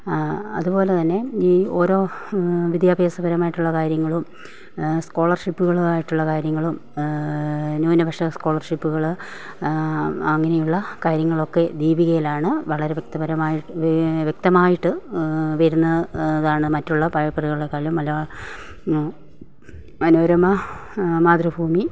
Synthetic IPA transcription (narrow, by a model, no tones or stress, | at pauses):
ɐ̰ðupo̞ːlet̪ɐnːe̞iːo̞ːɾo̞ːʋid̪jaːbʱjeːsɐbɐɾɐmaːjiʈːuɭːɐkaːɾjɐŋːɐɭum | sko̞ːɭɐrʂipːuɣɐɭuaːjiʈːuɭːɐkaːɾjɐŋːɐɭum | noːnɐbʱɐkʂɐsko̞ːɭɐrʂipːuɣɐɭ | ɐŋːɐnejuɭːɐkaːɾjɐŋːɐɭo̞kːe̞d̪iːbiɣɐjilaːɳɨʋɐɭɐɾeʋkt̪ɐbɐɾɐmaːjiʋjek̚t̪ɐmaːjiʈːɨʋɐɾunːɐɐðaːɳɨmɐtːuɭːɐpɐɻɐpːɐriɣɐɭɽekːaːljumɐlɐ | ɐnubɐɾɐmɐmaːd̪rɐbʱuːmi